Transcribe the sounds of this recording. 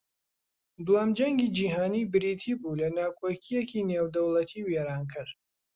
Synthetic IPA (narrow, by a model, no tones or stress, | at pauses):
d̪waːmd͡ʒɐŋɡiːd͡ʒiːɦaːniːbɨɾiːt̪ʰibulɐnaːkʰoːkʰijekineːwd̪ɐwlɐt̪ʰiweɾaːnkʰɨɾ